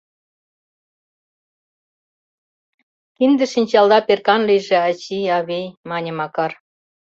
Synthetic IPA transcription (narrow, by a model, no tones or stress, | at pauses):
kind̪ə̆ʃinʲt͡ɕɑld̪ɑperkɑnlijʒĕɑt͡ɕiɑβejmɑnʲə̆mɑkɑr